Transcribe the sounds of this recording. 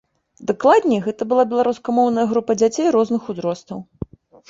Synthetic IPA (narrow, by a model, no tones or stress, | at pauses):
d̪aklˠad̪ʲnʲɛjɣɛt̪ɐbɨlˠabʲɛlˠaɾuskɐmɔwnɐjɐɣɾupɐd͡zʲat͡sʲejɾɔznɨxuzɾɔst̪ɐw